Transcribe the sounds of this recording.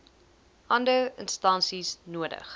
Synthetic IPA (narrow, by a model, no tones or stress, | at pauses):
ʔɐndəənstɐnsisnuədə̰χ